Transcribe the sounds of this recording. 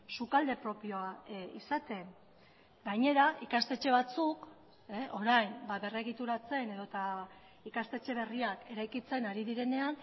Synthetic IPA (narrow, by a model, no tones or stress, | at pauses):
sukald̪e̞pɾo̞pio̞aisat̪e̞ŋ | ɡaɲe̞ɾaʔikast̪e̞t͡ʃe̞β̞at͡suk | ʔo̞ɾajmbaβe̞re̞ɣ̞it̪uɾat͡se̞ne̞ðot̪a | ikast̪e̞t͡ʃe̞β̞e̞riake̞ɾajkit͡se̞naɾiðiɾe̞ne̞an